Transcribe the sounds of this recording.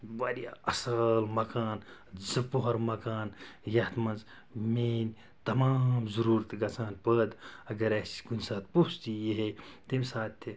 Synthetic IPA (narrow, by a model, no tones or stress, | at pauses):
baɾja̰ɐsəlmɐkaːnd͡zɐpoɦɐɾmɐkaːnjɐt̪ʰmɐnz | menʲ | t̪ɐmamzɐɾuːɾt̪ɡɐt͡sʰaːnpəd̪ɐɡɐɾɐsi̥kunʲsaːt̪̚pust̪ijeɦejt̪imsaːt̪ʰːi